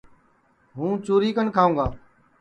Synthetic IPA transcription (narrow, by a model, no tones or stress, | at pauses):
ɦũːt͡ʃuːɾiːkəɳkʰaːũːɡaː